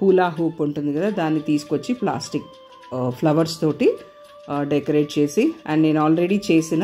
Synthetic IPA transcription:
puːlaːɦuːpuɳʈund̪iɡɐd̪aːd̪aːnːit̪iːsu̥kot͡ʃːipla̰ːsʈik | pʰlɐʋɐɾst̪o̞ːʈi | ɖekɐɾe̞ːʈ̚t͡ʃe̞ːsiɐɳɖne̞ːnuaːlɾeɽiːt͡ʃe̞ːsina

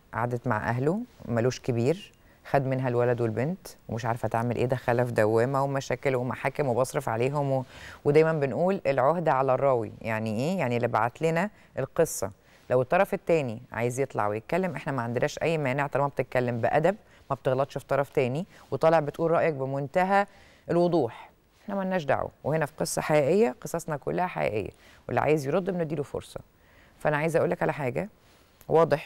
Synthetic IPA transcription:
ʕa̰ʕd̪æt̪ma̰ʕʔæ̰ɦlomæloːʃkebiːɾ | xæd̪menɦælwælæd̪welbent̪wemeʃʕaɾefʔæt̪aʕmelʔeːd̪æxælæfd̪æwːemæwemæʃæːkelwemæħaːkemwebɑsˤɾefʕa̰leːɦomwwed̪æːjmæmbenʔuːlelʕohd̪æʕalærˤːɑːwḭjaʕniʔeːjaʕnilːiba̰ʕat̪lenæ | ʔelqesˤːɑ̰ | læwet̪ˤːɑɾˤɑfet̪ːæːniʕa̰ːjezjet̪ˤlɑ̰ʕwejet̪̚kælːemʔeħnæmæʕand̪enæːʃʔæjːmæːneʕt̪ɑlmæb̚t̪et̪̚kælːembeʔæd̪æb̚ | mæb̚t̪eɣlɑt̪ˤʃfit̪ˤɑɾˤɑft̪æːniwet̪ˤɑːleʕbet̪ʔuːlɾˤɑːʔjɑk̚bemont̪æɦæ | ʔelwod̪ˤuːħ | ʔeħnæmænːæːʃ̬d̪a̰ʕṵwehenæfi̥qesˤːɑ̰ħajæːʔejːæqesˤɑsnɑkolːæhæħa̰jæ̰ːʔḛjːæ̰ | wḛlːiʕa̰jezjeɾod̪ˤːemned̪iːɾlufo̰ɾsˤɑ̰ | fæʔænæʕajezʔæʔuːlːækʕalæħaːɡæ | wʔɑːd̪ˤeħ

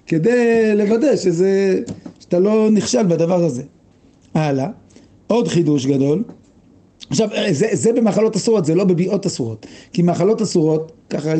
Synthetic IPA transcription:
ke̞d̪ejle̞vadeʃezeʃat̪alo̞niχʃalbad̪avaʁhaze̞ | ʔala | o̞d̪χid̪uʃ̬ɡad̪o̞l | aχʃavzezebe̞maːχalo̞t̪asuʁo̞tzelo̞bebiʔo̞t̪asuʁo̞t̪kimaχalo̞t̪asuʁo̞t̪̚kaχa

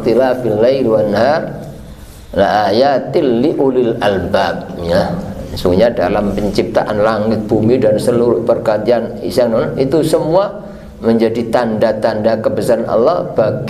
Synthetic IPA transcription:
t̪ilafilːajlwanːar | laʔajat̪ɪlːiʔulilalbab̚jansuŋɲada̰lampəɲt͡ʃip̚t̪a̰ʔanlaŋɪt̪̚b̥umidansəluɾʊhpərkaat̪ianḭsaŋnɔnʔit̪usəmua | məɲd͡ʒadit̪andat̪andakəbəsaɾanʔɔ̰lːɔhb̥aɡ

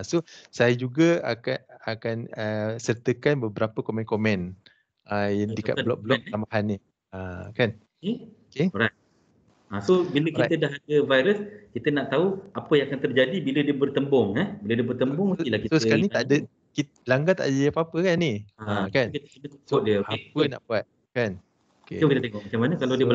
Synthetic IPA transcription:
asosajad͡ʒuɡaa̰kaakanəsərt̪əkanbəbəɾapəkomɛ̃nkomɛ̃n | ʔəjaŋdika̰ʔblɔ̰k̚bəlɔk̚plambaɦanːi | akan | keokeɾaj | asobiləkiaədaɦadəvajɾəskit̪ənaʔt̪auapəjaŋakant̪ərd͡ʒadibilədiəbərt̪əmbɔŋɛbilədiəbərt̪əmbɔŋuilahkitsosəkalnĩaʔdə | ki | laŋɡat̪a̰ʔdəjapapəkanːiakankit̪əkənəkksɔʔ̚diəoapəna̰ʔbuat̪̚ | kan | okḛkit̪t̪eŋɔk̚mat͡ʃamanəkalawdiəbə

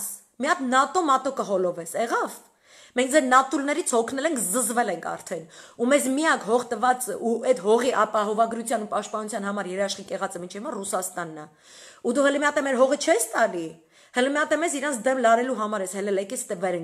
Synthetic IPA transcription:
s | miɑt̪nɑt̪ɔmɑt̪ɔkəɦɔlɔvɛsɛʁɑv | mɛŋkʰd͡zɛɾnɑt̪ʰulnɛɾit͡sʰhɔkʰnɛlɛŋkʰzəzvɛlɛŋkʰɑ̰ɾt̪ʰɛnumɛzmiɑkʰhɔʁt̪əvɑt͡səʔuɛt̪hɔʁiʔɑpɑɦɔvɑɡɾut͡sʰjɑnupɑʃt̪̚pɑnut͡sʰjɑnɦɑmɑɾjɛɾɑʃχikɛʁɑt͡sɛmint͡ʃʰɛvimɑrusɑst̪ɑnːɑ | ud̪uhələmjɑt̪ɛmɛɾɦɔʁət͡ʃʰɛst̪ɑli | hələmjɑt̪ɛmɛziɾɑnt͡sʰd̪ɛmlɑɾɛluɦɑmɑɾɛshɛlɛlɛkɛst̪əvɛɾɛŋ

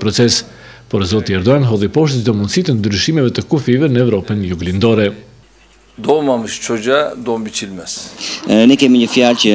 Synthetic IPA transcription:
pɾɔt͡sɛs | pɔɾzɔt̪iɛɾd̪ɔjanɦɔðˠipɔʃt̪zd̪ɔmund̪sit̪ənd̪ɾyʃimɛvɛt̪əkufivɛnəɛvɾɔpənjuɡlind̪ɔɾɛ | d̪ɔmamɯʃt͡ʃʰɔd͡ʒad̪ɔmbit͡ʃilʲmɛz̥nɛkɛmiɲəfjalcə

